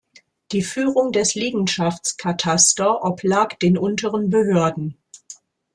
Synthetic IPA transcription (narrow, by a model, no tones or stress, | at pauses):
d̥iːfyːʁʊŋdɛsliːɡŋ̩ʃaft͡skʰatʰastɐʔɔplaːkd̥eːnʔʊntəʁənbəɦøːɐdn̩